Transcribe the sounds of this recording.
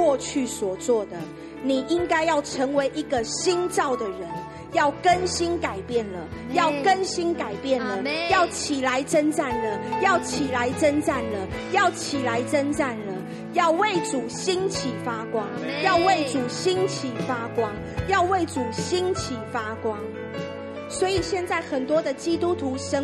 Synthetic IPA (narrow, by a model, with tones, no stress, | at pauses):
wɔ˥˧t͡ɕʰy˥˨swɔ˨˩t͡swɔ˥˨d̪ə˩ | ni˨˩ʔi˦˥ŋka˥ɪjɑ˥˩ʊʈ͡ʂʰə˧˦ŋwe˨˦ɪʔi˧˦ɡə˨ɕi˦nt͡ɕɑ˥˨˩ʊd̪ə˨ɻə˨˦n | jɑ˥˩ʊkə˦nɕi˦nka˨˩ɪpjɛ˥˨nlə˩ | jɑ˥˨ʊkə˦nɕi˦nka˨˩ɪpjɛ˥˨nlə˩jɑ˥˨ʊt͡ɕʰi˨˩la˧˦ɪʈ͡ʂə˦nʈ͡ʂa˥˩nlə˩jɑ˥˨ʊt͡ɕʰi˨˩la˨˦ɪʈ͡ʂə˦˥nt͡sa˥˩nlə˩ | jɑ˥˩ʊt͡ɕʰi˨˩la˨˦ɪʈ͡ʂə˦nʈ͡ʂa˥˩nlə˩ | jɑ˥˧ʊwe˥˨˩ɪt͡su˨˩ɕi˥nt͡ɕʰi˨˩fa˥kwɑ˦ŋjɑ˥˧ʊwe˥˩ɪt͡su˨˩ɕi˦nt͡ɕʰi˨˩fa˦kwɑ˦˥ŋ | jɑ˥˧ʊwe˥˩ɪt͡su˨˩ɕi˦˥nt͡ɕʰi˨˩fa˦kwɑ˦ŋ | swɔ˧˥i˨˩ɕjɛ˥˧nt͡sa˥˩ɪxə˨˩nt̪wɔ˥d̪ə˨t͡ɕi˦˥t̪u˦t̪ʰu˨˧˦ʂə˦